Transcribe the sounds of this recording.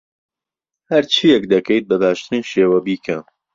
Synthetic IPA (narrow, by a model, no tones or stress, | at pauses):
hɐɾt͡ʃʰijɛkd̪ɐkʰejt̪̚bɐbaːʃt̪ɨɾiːnʃeːwɐbiːkʰɐm